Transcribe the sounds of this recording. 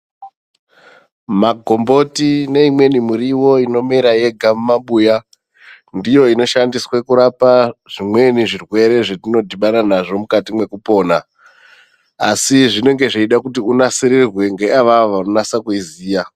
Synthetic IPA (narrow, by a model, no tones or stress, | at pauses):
maɡʱo̞mbo̞tine̞imwe̞nimuɾiwo̞ino̞meɾaje̞ɡʱamumaɓuːja | ndijo̞ino̞ʃandiswekuɾapaʐ̥imwe̞niʐirwe̞ɾe̞ʐetino̞dʱiɓaɾanaʐo̞mukatimwe̞kupo̞ːna | siʐine̞ŋɡe̞ʐeiɗakutiunasiɾirwe̞ŋɡe̞aʋaʋaonasakuiziːja